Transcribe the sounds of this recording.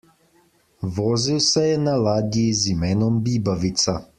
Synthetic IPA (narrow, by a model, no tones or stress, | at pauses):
ʋoːziwsɛjɛnalaːɡizimɛːnɔmbiːbaʋit̪sa